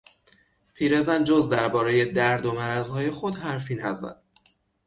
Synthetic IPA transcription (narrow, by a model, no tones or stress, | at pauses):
pʰiːɾe̞zænd͡ʒozd̪æɾbɒːɾe̞je̞d̪æɾd̪o̞mæɾæzhɒːje̞xod̪hæɾfiːnæzæ̰d̪̥